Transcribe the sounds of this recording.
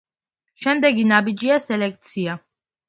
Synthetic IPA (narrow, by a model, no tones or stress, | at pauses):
ʃɛmd̪ɛɡinabid͡ʒiasɛlɛk̚ʰt̪sʰia